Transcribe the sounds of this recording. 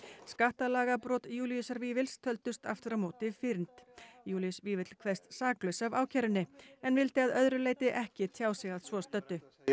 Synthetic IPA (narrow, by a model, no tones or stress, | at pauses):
skaht̪alaːɣapɾɔt̪juːlijʏsaɾviːvɪlst̪ʰœlt̪ʏst̪a̰ft̪ɪʏɾamoːwt̪ɪfɪɾnt̪juːliʏsviːvɪt̪lkʰvɛ̥st̪saːklœsavaːwcʰɛɾʏnːɪɛnvɪlt̪ɪaðœðɾʏleːjt̪ɪʔɛhcɪt̪ʰjaːwsɛɣaðsvɔst̪œt̪ːʏ